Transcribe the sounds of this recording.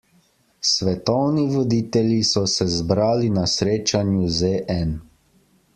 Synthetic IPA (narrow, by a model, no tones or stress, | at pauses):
sʋɛt̪ɔwniʋɔd̪iːt̪ɛljisɔsɛzbɾaːlinasɾeːt͡ʃanjuzeʔɛn